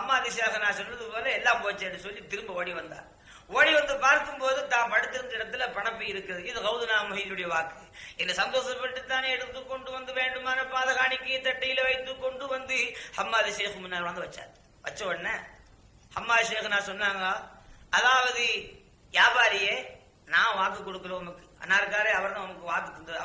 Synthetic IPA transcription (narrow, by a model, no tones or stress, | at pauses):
hɐmːaːðɯʃeːxnaːsɔlːɐðɯpoːlɐɛlːaːmpoːt͡ʃːeːɖːɯsɔlːit̪ɪɾɯmbɐoːɽiʋɐnd̪a̰ː | oːɽiʋɐnd̪ɯpaːɾkɯmpoːðɯt̪ãːpɐɽɯt̪ːɪɾɯnd̪ɐɪɽɐt̪ːɪlɐpɐɳɐpːɯjɪɾɯkːɐðɯɪðɯɣɐʋʊðɯnaːmʊɦiːðɯɽɐjɐʋaːkɯ | ɛnːɐsɐnd̪oːsɐpːɐʈːɯt̪ːaːneɛɽɯt̪ːɯkːɔɳɖɯʋɐnd̪ɯʋeːɳɖɯmaːnɐpaːðɐɣaːɳɪkːɐjɪt̪ːɐʈːɐjɪlɐʋɐɪt̪ːɯkːɔɳɖɯʋɐnd̪ɯhɐmːaːðɯʃeːxmʊnːaːɾʋɐnd̪ɯʋɐt͡ʃːa̰ːɾ | ʋɐt͡ʃːɐʋɐnːɐ | hɐmːaːðʃeːxnaːsɔnːaːŋɡɐɐðaːʋɐðɯ | jaːbaːɾɪjeː | nãːʋaːk̬ːɯkːɔɽɯkːɐloːɐmɐkːɯɐ̰nːaːɾɯkːaːɾeːɐʋɐɾñnɐmɐkːɯʋaːkːɯt̪ːʊnd̪ɐɐ